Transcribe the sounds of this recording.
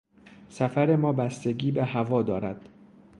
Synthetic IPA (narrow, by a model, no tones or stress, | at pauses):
sæfæɾe̞mɒːbæst̪e̞ɡiːbehævɒːd̪ɒːɾæd̪̥